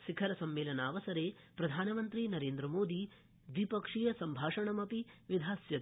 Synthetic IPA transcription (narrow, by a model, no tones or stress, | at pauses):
ʃikʰɐɾɐsɐmːeːlɐnaːʋɐsɐɾeː | pɾɐd̪ʱaːnɐmɐnt̪ɾinɐɾeːnd̪ɾɐmoːd̪i | ʋipɐkʂijɐsɐmbʱaːʂɐɳɐmɐpiʋid̪ʱaːsjɐt̪